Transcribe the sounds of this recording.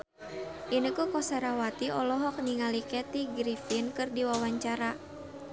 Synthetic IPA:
ʔinəkukɔsaɾawat̪iɔlɔɦɔk̚niŋalikɛt̪iɡɾifinkɨrdiwawaɲt͡ʃaɾa

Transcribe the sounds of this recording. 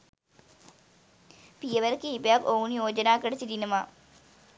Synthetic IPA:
pijɐʋɐɾkiibɐjakounjoːd͡ʒɐnaːkɐɽɐt͡ɕid̪inɐmaː

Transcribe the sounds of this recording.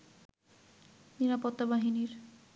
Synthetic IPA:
niɾapɔt̪ːabaɦiniɾ

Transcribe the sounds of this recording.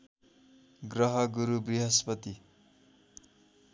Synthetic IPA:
ɡrʌɦʌɡuɾubriɦʌspʌt̪i

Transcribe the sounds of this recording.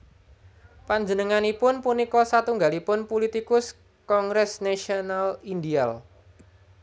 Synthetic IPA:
paɲd͡ʒənəŋanipʊnpunikɔsat̪uŋɡalipʊnpulit̪ikʊs | kɔŋɡɾɛsnaʃiɔnalindial

